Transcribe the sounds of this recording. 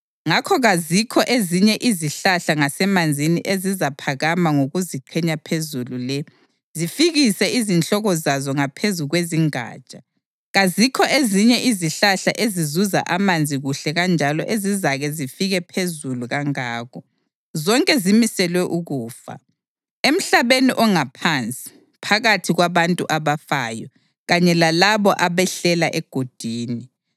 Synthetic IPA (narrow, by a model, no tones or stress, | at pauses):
ŋakʰɔɣazikʰɔʔeziɲɛʔiziɬaɬaŋasɛmand͡zʱiniʔezizapʰaɣamaŋoɣuziǃʰɛɲapʰezululɛ | zifiɣisɛizint͡ɬʼɔɣɔzazɔŋapʰezuɣweziŋa̰ːt͡ʃʼḁ | ɣazikʰɔʔeziɲɛʔiziɬaɬaʔezizuza̰ʔamand͡zʱiɣuɬɛɣand͡ʒʱalɔʔezizaɣɛzifiɣɛpʰezuluɣaŋaːɣʰɔ | zɔŋkʼɛzimisɛlwɛʔuɣuːfa̰ | em̩ɬaβeniʔɔŋapʰant͡sʼi̥ | pʰaɣatʰiɣwaβantʼṵʔaβafaːjɔ | ɣaɲɛlalaβɔʔaβɛɬɛlaʔɛɡ̥ʱod̥ʱiːni